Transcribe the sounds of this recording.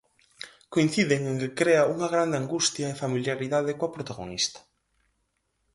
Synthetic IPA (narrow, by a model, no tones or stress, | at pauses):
koin̟θiðɪŋeŋkɪkɾeauŋɐɣɾand̪eaŋɡust̪jɐefamiljaɾiðaðɪkoɐpɾot̪aɣo̰nist̪ɐ̥